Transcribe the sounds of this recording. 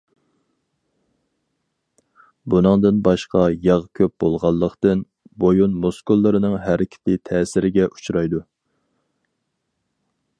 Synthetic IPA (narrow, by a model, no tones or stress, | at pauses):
bunɨŋd̪ɨnbɑʃqɑjɑʁkʲʰøp̚b̥olˠʁɑlˠːəqt̪ɨn | bojunmoskulˠːɨɾɨnɨŋɦæɾɪkʲʰɪ̥t̪ʰɪt̪ʰɛːsɪɾɪɡʲɛʔu̥t͡ʃʰɾɑjd̪u